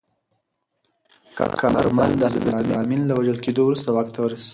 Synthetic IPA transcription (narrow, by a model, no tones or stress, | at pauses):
xa̰kʰa̰a̰ɾmand̪əl̰bəamiaminlawaʒəlked̪owɾust̪awaxt̪awəɾis